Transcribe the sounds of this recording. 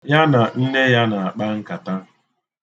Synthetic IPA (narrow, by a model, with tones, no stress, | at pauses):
ja˦na˨n̩˦ne˦ja˦na˨a˨k͡pa˦ŋ̩˦ka˨ta˦